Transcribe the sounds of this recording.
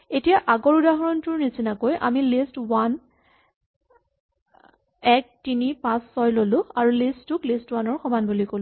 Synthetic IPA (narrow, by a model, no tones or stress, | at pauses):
etijaʔaɡɔɹudaɦɔɹɔntʊɹnisinakojʔa̰milistwan | ɛk̚tinipãsːɔjlolʊ̃aɹulistʊklistwanɔɹxɔmanbulikolʊ̃